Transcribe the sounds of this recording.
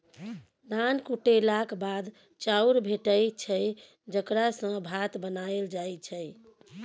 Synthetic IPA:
d̪ankuʈelakbad̪ | t͡ʃauɾbʱeʈəjt͡ʃʰəj | d͡ʒəkɾasə̃bʱat̪bənaeld͡ʒajt͡ʃʰəj

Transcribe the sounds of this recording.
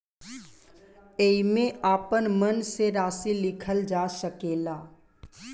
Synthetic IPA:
eimẽaːpənmənseɾaːsilɪkʰəld͡ʒaːsəkeːlaː

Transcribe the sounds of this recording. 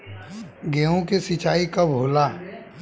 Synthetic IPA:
ɡeõkesit͡ʃaːikabʱoːlaː

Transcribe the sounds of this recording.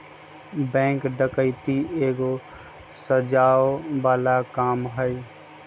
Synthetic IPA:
bɛ̃ːŋkɖəkəɪt̪ieːɡo | səd͡ʒaːobaːlakaːmɦəj

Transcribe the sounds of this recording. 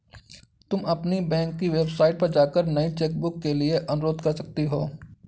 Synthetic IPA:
t̪ʊmɐpnibɛ̃ːŋkːiʋeːbsaːɪʈ̚pɐɾd͡ʒaːkəɾnɐit͡ʃeːk̚bʊkːelieʔɐnʊɾoːd̪kɐɾsɐk̚t̪iɦoː

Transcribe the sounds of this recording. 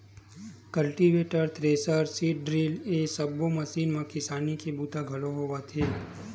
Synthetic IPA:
kəlʈiʋeʈəɾt̪ɾesəɾsiʈ̚ɖɾilesəbːoməsinmãkɪsanikʰebut̪aɡʱəloɦoʋat̪ʰe

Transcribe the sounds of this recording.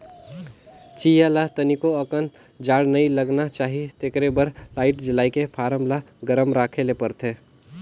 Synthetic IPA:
t͡ʃijalat̪ənikoəkən | d͡ʒaːɽnəiləɡnat͡ʃaːɦit̪ekɾebəɾlaːɪʈd͡ʒɪlaːikepʰaːɾəmlaɡəɾəmɾaːkʰelepəɾt̪ʰe

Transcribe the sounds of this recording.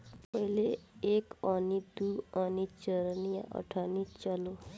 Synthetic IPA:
pəɦileekanid̪uɔnit͡ʃəɾnija̰ʔə̰ʈʰaːnit͡ʃəlo

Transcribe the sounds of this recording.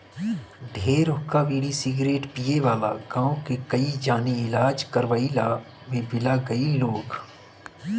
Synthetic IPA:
ɖʱeːɾʊkaʋiːɽisɪɡɾeːʈpijeʋaːlaɡãːõkekɐid͡ʒaːniɪlaːd͡ʒkɐɾʋaːila | mẽbɪlaɡɐiloːɡ

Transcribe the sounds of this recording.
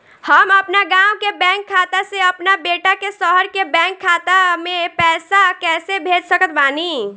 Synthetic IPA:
həməpnaɡãːwkebɛ̃ːŋkʰːaːt̪aseəpnabeːʈakesəɦəɾkebɛ̃ːŋkʰːaːt̪amẽpɛːsakɛːsebʱeːd͡ʒsəkət̪̚baːni

